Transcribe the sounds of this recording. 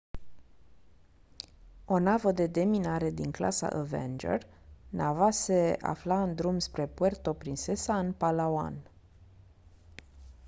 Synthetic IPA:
o̞navəd̪e̞d̪e̞minaɾe̞d̪iŋkla̰sa̰ʔəvḛnd͡ʒḛr | navase̞a̰flaɨnd̪ɾumspɾe̞pwe̞rt̪o̞pɾinse̞saɨnpalawa̰n

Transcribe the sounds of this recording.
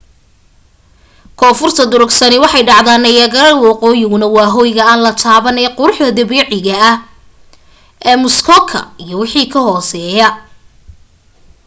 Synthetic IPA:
kʰɔːfʊrt̪ʰɐd̪ʊɾʊɡsɐnɪwɑħɑjɖɑʕðaːnːɐjɐɣɐɾɐwɑqɔːjɪɣʊnɐwɑːɦɔːjɣɐaːnlɐt̪ʰaːβɐnɛjqʊɾʊħd̪ɐd̪ɐβɛːʕɪɣɐɐh | ʔɛːmʊskʰɔkʰɐ̰ijɞwɑħiːkʰɐhɔːsɛːjɐ

